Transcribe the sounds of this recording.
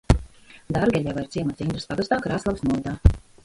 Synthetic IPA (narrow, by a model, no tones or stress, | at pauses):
d̪aɾɡʲɛʎʲavaiɾt̪siɛmat̪sind̪ɾɨspaɡast̪aːkɾaːslˠavsnuɔd̪aː